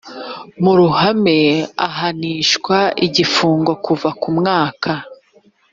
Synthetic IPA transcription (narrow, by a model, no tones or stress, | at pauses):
muɾuhame̞aɦaniːʃkwaiɟifuːŋɡo̞kuvakumŋaːkʰa